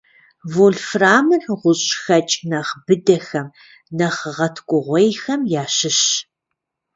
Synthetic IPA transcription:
voɮfraːmɨrʁʷʊɕʼxɐt͡ʃʼnɐχbɨdɐxɐm | nɐχʁɐtʰkʷʼʊʁʷɔjxɐmjaːʃɪɕ

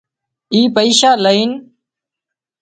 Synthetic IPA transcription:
iːpəiːʃaːləiːn

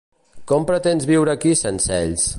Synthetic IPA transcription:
kɔmpɾət̪enzβiwɾəkisensɛ̰ʎs

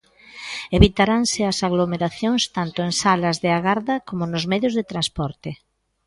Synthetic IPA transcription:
eβit̪aɾaŋsɪɐsaɣlomeɾaθjoŋst̪ant̪oẽŋsalɐzðeaɣaɾðɐkomʊnʊzmɛðjʊzðet̪ɾãnspɔɾt̪e

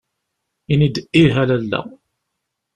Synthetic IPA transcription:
inid̪ʔiɦælælːæ̰

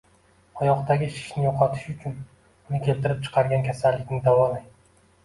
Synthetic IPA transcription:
ɒjɒqt̪aɡʲɪʃɪ̥ʃnɪjoqʰɒt̪ʰɪ̥ʃʊt͡ʃʰʊn | ʊnɪkʲe̞lt̪ɪɾɪp̚t͡ʃʰɨ̥qʰɑɾɡʲankʲʰasalːɪkʲnɪd̪awɒlaj

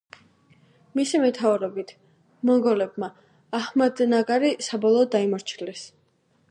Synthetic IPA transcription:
misimɛt̪ʰauɾɔbit̪ʰ | mɔŋɡɔlɛbmaː | hmad̪naɡaɾisabɔlˠɔːd̪ːaimɔɾt͡ʃʰlɛs

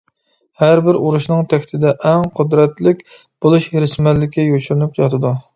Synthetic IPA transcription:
hæɾbɪɾuɾuʃnɨŋt̪ʰɛkʲʰt̪ʰɪd̪ɛʔɛŋqʰʊd̪ɾɛt̪lɪkʲ | b̥olˠuʃɾɪsmɛlːɪkʲijot͡ʃʰuɾnup̚jɑt̪ʰɨd̪u

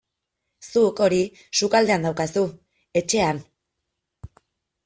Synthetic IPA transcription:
suko̞ɾi | sukald̪e̞and̪awkasu | e̞t͡ʃe̞an

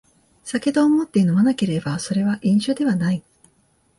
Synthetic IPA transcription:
sake̞t̪oːmot̪ːeno̞manake̞ɾe̞baso̞ɾe̞βaʔĩɰ̃ɕod̪e̞βanai

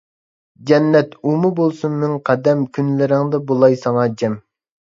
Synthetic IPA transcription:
d͡ʒɛnːɛt̪umubolˠsunmɪŋqʰɑd̪ɛmkʲʰynlɪɾɪŋd̪ɨbolˠɑjsɑŋɑd͡ʒɛm

